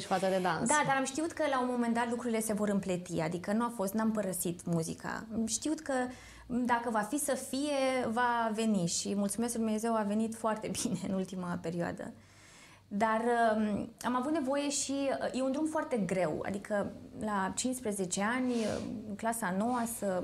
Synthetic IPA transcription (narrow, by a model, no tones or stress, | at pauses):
ʃfat̪səd̪ed̪ansd̪ad̪aɾamʃt̪iut̪kəlaunmo̞mend̪at̪lukɾuɾile̞se̞vo̞ɾɨmplet̪iad̪ikənuafo̞st̪nampəɾəsit̪muzḭka̰mʃt̪iut̪kə | d̪akəvafisəfije̞vave̞niʃimult̪sume̞skld̪umneze̞wave̞nit̪foart̪e̞bine̞ɨ̰nult̪imape̞ɾioa̰d̪ə̰ | d̪arəamavut̪ne̞vo̞je̞ʃije̞und̪ɾumfoart̪e̞ɡɾe̞wa̰d̪ikəlat͡ʃinspɾeze̞t͡ʃe̞anʲə̰ɨklasanowasə